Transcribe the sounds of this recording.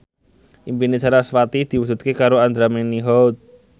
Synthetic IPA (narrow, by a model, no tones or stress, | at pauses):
ʔimpinet͡ʃaɾasfat̪id̪̥i̤wud͡ʒ̥̪ṳt̪̚kekaɾoand̪ɾameniɦɔwt̪̚